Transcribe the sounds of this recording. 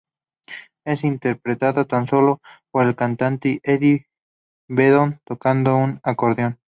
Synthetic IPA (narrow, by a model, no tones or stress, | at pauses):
esint̪eɾpɾet̪aðot̪anso̞lopoɾelkant̪ant̪eʔeði | βeðont̪okand̪ounakoɾðjon